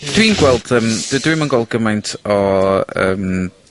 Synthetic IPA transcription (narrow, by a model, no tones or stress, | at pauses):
d̥winɡwɛlˠd̥əmd̥dwimanɡwɛlˠd̚ɡəmajntʰɔə̰ːm